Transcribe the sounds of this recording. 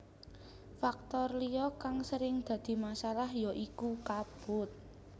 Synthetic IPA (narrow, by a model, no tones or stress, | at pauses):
fak̚t̪ɔrlijɔkaŋsəɾɪŋd̪̥a̤d̪̥i̤masalahjɔʔikukab̥ʊ̤t̪̚